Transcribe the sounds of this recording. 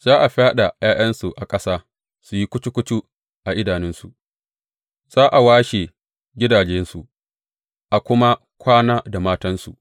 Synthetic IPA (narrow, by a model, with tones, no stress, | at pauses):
z̥aː˦ʔa˨ɸaː˦ɗa˨jaː˦j̰ɐ˦nsu˨ʔa˨kʼɐ˦saː˦ | su˨ji˦kʷʊ˦tu˦kʷʊ˦tu˦ | ʔa˨ʔɪ˦daː˨nɪ˦nsu˨ʔ | z̥aː˦ʔa˨waː˦ʃe˨ | ɡʲɪ˦daː˨d͡ʒɛ˦nsu˨ʔ | ʔa˨kʷʊ˦ma˦ | kʷʰaː˦naː˦da˨maː˦tɐ˦nsṵ˨